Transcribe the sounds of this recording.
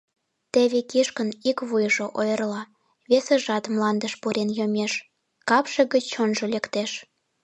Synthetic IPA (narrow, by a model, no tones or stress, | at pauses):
t̪eβekiʃkənikβujʒoʔojərlɑ | βesĕʒɑt̪mlɑnd̪əʃpuɾʔenjomʲeʃ | kɑpʃĕɣət͡ɕonʒolekt̪eʃ